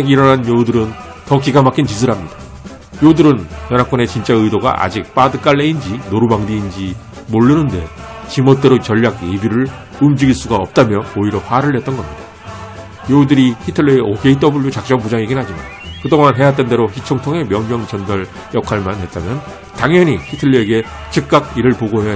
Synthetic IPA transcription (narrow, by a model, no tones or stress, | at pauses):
eɡiɾʌnanjoudɯɾɯn | tʌkiɡamak͈ʰint͡ɕis̬ʰɯɾɦamɲid̥ḁ | jodɯɾɯnjʌnɦak͈ʌne̞t͡ɕint͡ɕ͈aɯidoɡa̰ʔa̰d͡ʑik̚p͈adɯk͈aɭːe̞ind͡ʑinoɾubaŋdiːnd͡ʑi | moɭːɯnɯnde̞ | t͡ɕimot̚t͈e̞ɾot͡ɕʌʎːaɡebiɾɯɭ | ɯmd͡ʑiɡiɭs͈uɡaʌp̚t͈amjʌoiɾjʌpʰaːɾɯɭɦe̞t͈̚ʌnɡʌmɲidḁ | jodɯɾihʰitʰɯɭːɯeʔokʰeit̬͈ʌbuɭjot͡ɕak̚t͡ɕ͈ʌŋpud͡ʑaŋiɡinɦad͡ʑima̰n | kɯdoŋanɦe̞jat̬͈ende̞ɾoçit͡ɕʰʌŋtʰoŋe̞mjʌŋɲʌŋd͡ʑʌndʌɭ | jʌkʰaɭmanɦe̞t̚t͈amjʌn | taŋjʌɲikʰitʰɯɭːie̞ɡe̞ | t͡ɕɯk̚k͈akiɾɯɭpoɡoɦe